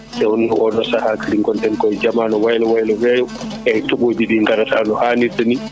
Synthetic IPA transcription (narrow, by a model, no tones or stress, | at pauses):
sɛwɔniʔɔɗɔsahakaliŋkɔntɛnkɔɛd͡ʒamanɔwajlɔwajlɔwɛjɔ | ʔɛhitaɓobiɗiŋɡaɾatʰanɔhaniɾtani